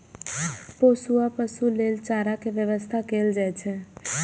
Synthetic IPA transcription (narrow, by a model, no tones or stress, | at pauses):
posuapəsulelt͡ʃaɾakeʋjəʋəst̪ʰakeld͡ʒajt͡ʃʰe